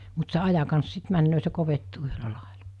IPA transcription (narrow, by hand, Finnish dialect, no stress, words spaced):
mut se ɑjɑ kɑns sit mænːøː se koʋetːuː yhølæ lɑˑel̥ɑ̥